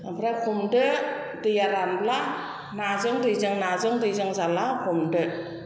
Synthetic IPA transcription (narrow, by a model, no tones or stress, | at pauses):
apʰɾakʰumdɯ | dɯjaɾanbla | nazɯŋdɯjzɯŋnazɯŋdɯjzɯŋzalakʰɔmdɯ